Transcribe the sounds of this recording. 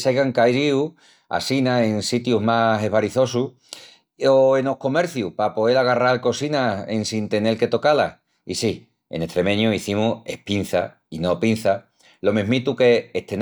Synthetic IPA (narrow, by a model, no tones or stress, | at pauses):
sajɣaŋkajɾiu | a̰sinae̞nsit̪juɦmaɦe̞βaɾiθo̞su | oeno̞hko̞me̞ɾθjupapo̞ðelaɣ̞aralko̞sinaḛnsint̪e̞ne̞lke̞t̪o̞kalah | isi | e̞̰ne̞t̪ɾe̞mẽ̞ɲuiθimue̞pin̟θa̰ | ino̞pin̟θa | lo̞mẽɦmit̪ukeːt̪en